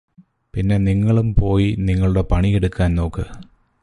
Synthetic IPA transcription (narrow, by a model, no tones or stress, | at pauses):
pinːe̞niŋːɐɭumpo̞ːjiniŋːɐɭuɽe̞pɐɳieɽukːaːnno̞ːkːɨ